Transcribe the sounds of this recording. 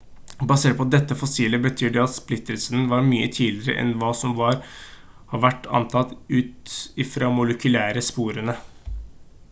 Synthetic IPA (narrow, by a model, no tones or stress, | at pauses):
bɑseːʈ̚pɔd̪ɛt̪ːəfɔsiːləbət̪ʰyːɖɛɑt̪splɪt̪ːəlsənʋɑɾmyːə̰t̪ʰiːlɪɾə̰ʔɛ̰nʋɑːsɔmʋɑɾ | hɑʋæʈːɑ̰nt̪ʰɑt̪ʉːt̪ɪfɾɑːmʊləkʉlæːɾəspuːɾənə